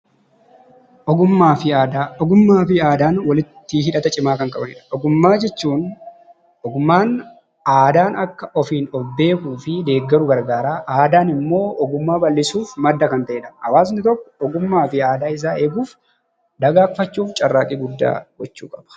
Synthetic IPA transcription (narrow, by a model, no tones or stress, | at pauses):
ʔɔɡʊmːaːfɪaːd̪aɔɡʊmːaːfɪaːd̪aːnwɐlɪt̪ːɪɦɪᶑɐt̪ɐt͡ʃʼɪmaːkɐŋkʼɐbɐnɪ̰ᶑɐ̥ʔɔɡʊmːaːd͡ʒɛt͡ʃːuːn | ɔɡʊmːaːn | aːd̪aːnɐkːɐʔɔfiːnɔbe̞ːkuːfɪd̪e̞ːɡːɐɾʊɡɐɾɡaːɾaːʔaːd̪aːnɪmːo̞ːʔɔɡʊmːaːbɐlːɪsuːfmɐd̪ːɐkɐnt̪ɐʔeːᶑɐɐwaːsnɪt̪ɔkːɔ̥ɔɡʊmːaːfɪaːd̪aːɪs̬aːe̞ːɡuːf | d̪ɐɡaːkfɐt͡ʃːuːft͡ʃʼɐrːaːkʼiːɡʊd̪ːa̰ːɡɔt͡ʃːṵːkʼɐ̥b̥ɐ̥